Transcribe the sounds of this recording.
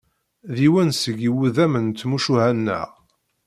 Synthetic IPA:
ðiwænsəɡiwuðæmənt͡s̪ːmuʃuhænːə̰ʁ

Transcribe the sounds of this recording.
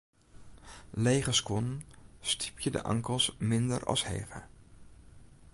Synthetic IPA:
lejχəskɔnstʰi̥pʰjədə̰ʔɑ̰ŋkəlˠsmɪndəɹɑ̰shḛːχə̰

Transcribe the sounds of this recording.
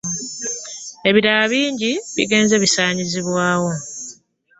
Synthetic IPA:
e̞βiɾalaβiːɲɟiβḭɡe̞ːnze̞βisaːɲiziβwaːwo̞

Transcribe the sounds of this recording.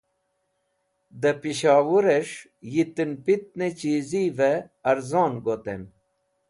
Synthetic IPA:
d̪ɐpiɕaːwuɾeʂ | jit̪inpit̪̚net͡ɕiːzive | ɐɾzɑːnɡot̪ḛn

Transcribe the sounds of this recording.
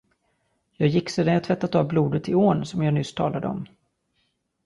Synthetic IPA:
jɑːɡjɪkːseːd̪anjat̪ʰvɛt̪ːat̪ɑvbluːd̪ət̪ɪoːnsɔmjɑːɡnʏst̪ʰɑːlad̪əɔ̰m

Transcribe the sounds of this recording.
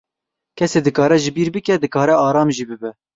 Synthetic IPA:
kʰɛseːd̪ɨkɑːɾɛʒɪbiːɾbɨkɛd̪ɨkɑːɾɛɑːɾɑːmʒiːbɨbɛ

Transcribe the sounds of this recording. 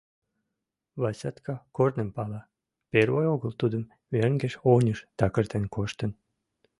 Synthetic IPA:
βɑsʲɑt̪kɑkornempɑlɑ | peɾvojoɡəlt̪ud̪ə̆m | verŋɡeʃonʲəʃt̪ɑkə̆rt̪enkoʃt̪ən

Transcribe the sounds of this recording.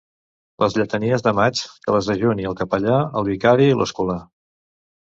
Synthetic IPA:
ləzʎət̪əniəzðəmat͡ʃkələzðəʒoniəlˠkəpəʎaəlˠβikaɾilə̰skula

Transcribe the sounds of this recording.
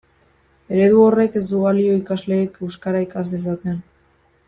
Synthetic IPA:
e̞ɾe̞ðuo̞re̞ke̞zd̪uɣalio̞ikazle̞ːke̞wskaɾaikases̬at̪e̞n

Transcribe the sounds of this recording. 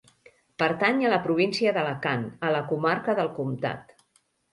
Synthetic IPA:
pəɾt̪aɲələpɾuβ̞insiəðələkanələkumaɾkəðəlˠkumt̪a̰t̪

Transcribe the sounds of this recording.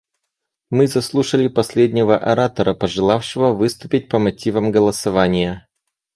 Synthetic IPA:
mɨzɐslˠuʂəlʲɪpɐsʲlʲedʲnʲɪvəʔɐɾat̪əɾəpəʐɨlˠafʂɨvəvɨst̪ʊpʲɪt̚ʲpəmɐtʲivəmɡəlˠəsɐvanʲɪjə

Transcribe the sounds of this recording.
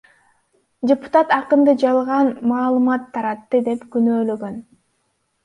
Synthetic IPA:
dʲepu̥t̪at̪ɑqɯnd̪ɯd͡ʒɑlˠʁɑnmɑːlˠɯmɑt̪ʰːɑɾɑt̪ːɯd̪e̞pɡynø̞ːløɡø̞n

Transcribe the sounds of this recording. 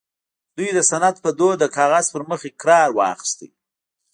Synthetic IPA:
d̪ujd̪əsanat̪pəd̪od̪əkɑɣaz̥pəɾməxekɾɑɾwɑ̰xɪ̥st̪ḭ

